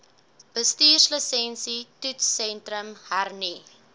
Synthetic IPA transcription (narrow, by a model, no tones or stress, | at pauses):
b̥əstiːrsləsɛnsitutsɛntɾəmhærni